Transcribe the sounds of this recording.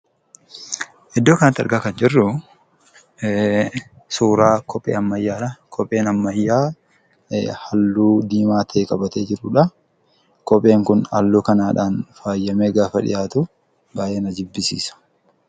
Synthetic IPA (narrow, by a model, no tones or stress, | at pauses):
ʔɛd̪ːoːkɐnɐt̪ːɐ̰ɾɡɐkɐnd͡ʒɪrːʊ | suːɾaːkʰɔpʼːḛːɐmːɐjːaːᶑɐkʰɔpʼːe̞ːnɐmːɐjːaː | hɐlːuːd̪iːmaːt̪ʰeːkʼɐbɐt̪eːd͡ʒɪɾʊᶑɐ | kʼɔpʼe̞ːŋkʊnɐ̰lːuːkɐnaːᶑaːnfaːjːɐmeːɡaːfɐᶑɪ̰jaːt̪ʊ | baːjeːnɐd͡ʒɪbːɪsḭːsɐ̥